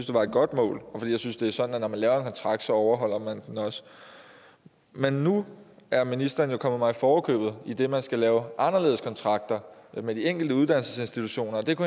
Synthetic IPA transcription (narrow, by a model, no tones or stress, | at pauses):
n̩sd̥e̝ʋɑ̈e̝d̥̚ɡ̥ɒ̽d̥mɔ̰̽ːlɒfd̥ḭjaɪsynsd̥e̝æɐsɒ̽dn̩ænɒmænlɛːʊɐenkʰɒ̽nt͡sʰʁɑ̈ɡ̥̚d̥sɒ̽ɒʊɐɦɒ̽l̰ɐmænd̥enɒ̽s | menːuæɐminisd̥ɐːn̩jo̝kʰɒ̽mðˠmɑ̈ɪifɒːkʰø̰ːb̥ð̞̩ˠid̥e̝mænsɡ̥ælɛːʊʔɑ̈nɐle̝ːð̞̩ˠskʰɒ̽nt͡sʰʁɑ̈ɡ̥̚d̥ɐmed̥ieŋ̰ɡ̥l̩d̥əuðˠd̥ænl̩səse̝nsd̥it͡sʰuɕo̝̰ːnɐ̽ːd̥e̝kʰu